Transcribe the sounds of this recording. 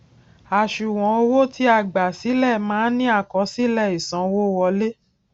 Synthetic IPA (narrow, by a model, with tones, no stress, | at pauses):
a˨ʃu˨w̃ɔ̃˨˦o˧wo˦ti˨˦a˦˨ɡ͡ba˨si˨˦lɛ˦˨mãː˨˦nĩ˦a˦˨kɔ˨˦si˦lɛ˦˨i˨sã˨˦wo˦wɔ˧le˦